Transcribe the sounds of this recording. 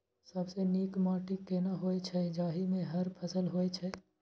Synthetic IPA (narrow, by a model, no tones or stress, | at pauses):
sɐbseniːkmaːʈikːeːnaɦoːet͡ʃʰɛɪd͡ʒaːɦimẽɦɐɾpʰɐsəlɦoːet͡ʃʰɛ